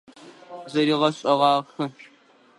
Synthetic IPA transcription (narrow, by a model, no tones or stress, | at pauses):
zɐɾiːʁɐɕʼɐʁɑːxɨ